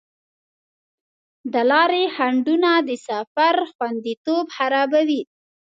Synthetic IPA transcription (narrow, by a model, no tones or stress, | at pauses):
d̪əlɑɾehaɳɖunad̪əsafaɾxwand̪it̪obhaɾɑbawi